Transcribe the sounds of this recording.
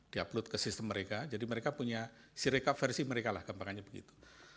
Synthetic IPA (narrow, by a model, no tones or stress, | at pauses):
d̥iaplʊt̪̚kəsɪst̪əmːəɾekad͡ʒadiməɾekapuɲasiɾekafɛrsiməɾekala̰hɡ̥ampaŋaɲabəɡḭt̪u̥